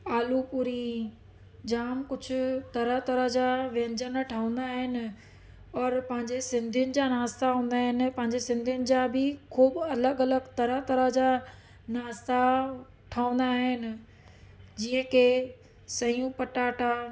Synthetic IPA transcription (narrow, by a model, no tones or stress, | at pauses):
aːlupuɾi | d͡ʑaːmkʊd͡ʑʰʱʊ̆t̪ɐɾəɦt̪ɐɾəɦd͡ʑaʋẽːɲd͡ʑənʈʰaːũn̆d̪aːɦɪnɪ̆ | ɔːɾpɐ̃ɦɪ̃ɲd͡ʑesɪ̃nd̪ʱijʊnɪ̆d͡ʑaːnaːst̪aɦũːnd̪aːɦɪnɪ̆pɐ̃ɦɪ̃ɲd͡ʑesɪ̃nd̪ʱijʊnɪ̆d͡ʑaːbɪkʰuːbɐləɡɐləɡt̪ɐɾət̪ɐɾəd͡ʑa | naːst̪a | ʈʰaːũnd̪aːɦɪnɪ̆ | d͡ʑiːə̃kʰe | sɐjũpɐʈaːʈa